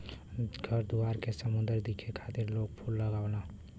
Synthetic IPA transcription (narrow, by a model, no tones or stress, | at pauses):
ɡʱəɾd̪uaɾkesəmũnd̪əɾd̪ikʰekʰat̪iɾlokpʰulːəɡaʊna